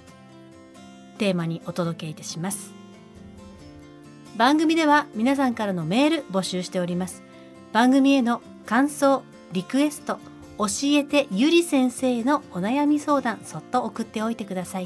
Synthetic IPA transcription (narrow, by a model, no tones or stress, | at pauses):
t̪e̞ːmaɲ̟iʔo̞t̪o̞d̪o̞ke̞it̪ḁɕimasɨ̥ | bãŋɡɯ̟mʲid̪e̞βamʲinas̬ãŋkaɾano̞me̞ːɾɯ̟bo̞ɕɨːɕi̥t̪e̞o̞ɾʲimasɨ̥ | b̥ãŋɡɯ̟mʲie̞no̞ | kãɰ̃so̞ː | ɾʲikɯ̟e̞sɨ̥t̪o̞ | oɕie̞t̪e̞jɯ̟ɾʲisẽ̞ɰ̃se̞ːno̞onajamʲiso̞ːd̪ãɰ̃so̞t̪ːo̞ːkɯ̟t̪ːe̞o̞it̪e̞kɯd̪asai